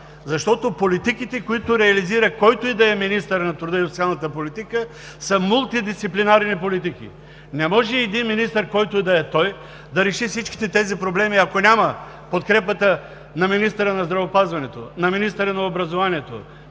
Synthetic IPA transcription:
zɐʃt̪ɔt̪opolit̪ikit̪ɛkoit̪ʊɾɛɐliziɾɐkɔjt̪oid̪ɐɛminist̪əɾnɐt̪ɾud̪əisot̪sialˠnɐt̪əpolit̪ikə | səmulˠt̪id̪ist̪iplinaɾnipolit̪ik̟ḭ | nɛmɔʒɛːd̪inminist̪əɾkɔjt̪ʊid̪ɐɛt̪ɔj | d̪ɐɾɛʃifsit͡ʃki̥t̪ɛt̪ɛzipɾoblɛmiɐkonʲamɐ | pot̪kɾɛpət̪ə | nɐminist̪əɾənɐzd̪ɾɐvopazvɐnɛt̪o̰nɐminist̪əɾənɐobɾɐzovaniɛt̪o̰

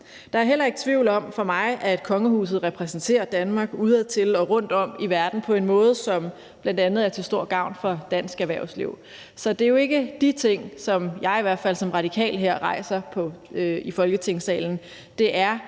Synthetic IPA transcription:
d̥ɑ̈æɐɦel̰ɐe̝ɡ̥t͡sʰʋiʊlɒ̽mfɒ̽mɑ̈ɪʔæd̥kʰɒ̽ŋəhṵːs̬ð̞̩ˠʁɛpʰʁɛsn̩t͡sʰe̝̰ːɐd̥ænmɑ̈ːɡ̥uːð̞ˠæðˠt͡sʰe̝lɒ̽ʁɔ̽n̰d̥ɒ̽m̰iʋæɐd̥n̩pʰɒ̽e̝nmɔ̽ːð̞̩ˠsɒ̽m | b̥læn̰d̥ænð̩ˠæɐt͡sʰe̝lsd̥o̝ɐ̰ɡ̥ɑ̈ʊ̰nfɒ̽d̥æn̰sɡ̥æʋæɐʊslḭʊ̰ | sɒ̽d̥e̝jo̝e̝ɡ̥əd̥it͡sʰe̝ŋ̰sɒ̽mjɑ̈ɪiʋæɐ̰d̥fæl̰sɒ̽mʁɑ̈d̥ikʰɛ̰ːlɦeɐ̰ʁɑ̈ɪ̰sɐpʰɒ̽øifɒ̽lɡ̥ət͡sʰe̝ŋ̰sɛ̰ːln̩ | d̥e̝ʔæɐ

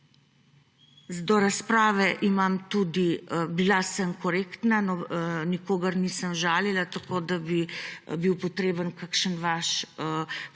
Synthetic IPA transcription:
zd̪ɔɾaspɾaːʋɛʔimamt̪ud̪ibilasəmkɔɾeːkt̪nanɔnikoːɡəɾnisəmʒaːlilat̪akoːd̪abibiwpɔt̪ɾeːbənkakʃənʋaʃ

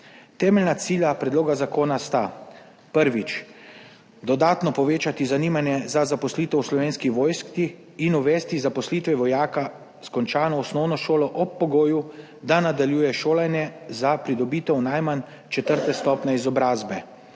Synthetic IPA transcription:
t̪ɛːmɛlnat̪siːljapɾɛd̪loːɡazakoːnast̪a | pəɾʋit͡ʃ | d̪ɔd̪aːt̪nɔpɔʋeːt͡ʃat̪izaniːmanjɛzazapɔsliːt̪ɛwslɔʋeːnskiʋoːjskt̪i | inuʋɛːst̪izapɔsliːt̪ʋɛʋɔjaːka | skɔnt͡ʃaːnɔɔsnɔwnɔʃoːlɔʔɔpːɔɡoːju | d̪anad̪aljuːjɛʃoːlanɛzapɾid̪ɔbiːt̪ɛwnajman | t͡ʃɛt̪əɾt̪ɛst̪ɔpnʲɛizɔbɾaːzbɛ

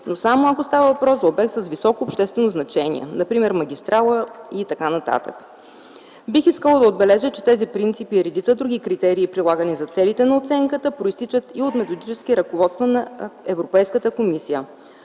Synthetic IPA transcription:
nosamoɐkost̪avəvɐpɾɔszɐobɛk̚t̪səsvisɔkoːpʃt̪ɛst̪vɛnoznɐt͡ʃɛnḭɛ̰nɐpɾimɛɾmɐɡ̟ʲist̪ɾʔalˠəit̪ɐkanɐt̪a̰t̪ə̰k | bixiskəlˠəd̪ɐod̪̚bɛlɛʒɛt͡ʃɛ̥t̪ɛzipɾint̪sipiɾɛd̪it̪səd̪ɾuɡikɾit̪ɛɾiːpɾilˠaɡənizɐt̪sɛlit̪ɛnɐot̪sɛŋkət̪əpɾoist̪it͡ʃət̪iot̪mɛt̪od̪it͡ʃɛskiɾɐkovɔt̪st̪vənɐɛvɾopɛjskət̪əkomisijə

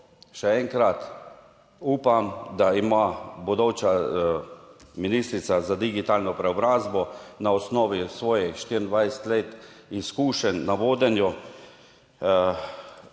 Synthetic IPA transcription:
ʃɛɛŋkɾat̪ | uːpamd̪aimabɔd̪ɔwt͡ʃa | miniːst̪ɾit̪sazad̪iɡit̪aːlnɔpɾɛɔbɾaːzbɔnaɔsnɔːʋisʋɔːjɛxʃt̪iːɾnd̪ʋajsɛ̥t̪leːt̪ | iskuːʃɛnːaʋoːd̪ɛnjɔ

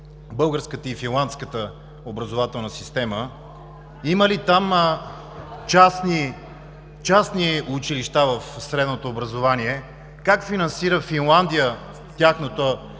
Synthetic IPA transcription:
bɤlˠɡəɾskət̪əifinlˠant̪skət̪ə | obɾɐzovat̪ɛlˠnəsist̪ɛmə | iməlit̪am | t͡ʃasni | t͡ʃasniut͡ʃiliʃt̪avəfsɾɛd̪not̪oːbɾɐzovaniɛ | kakfinɐnsiɾəfinlˠand̪ijə | t̪ʲaxnot̪o

